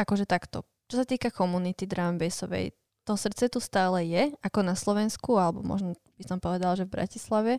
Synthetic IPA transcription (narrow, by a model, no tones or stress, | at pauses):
akɔʒɛt̪akt̪ɔ̰ | t͡ʃɔsat̪iːkakɔmunit̪id̪ɾamʋɛsɔʋɛ̰j | t̪ɔɦsr̩t̪t͡sɛt̪ust̪aːlɛjɛakɔnaslɔʋɛnskualɛbɔ̰mɔ̰ʒnɔ | b̥isɔmpɔʋɛd̪alʒɛvbɾa̰cislaʋɛ